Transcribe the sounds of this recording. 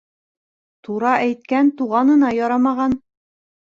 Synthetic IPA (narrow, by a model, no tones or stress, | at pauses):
t̪uɾɑʔæjt̪̚kænt̪uʁɑnɤ̆nɑjɒɾɑmɑʁɑn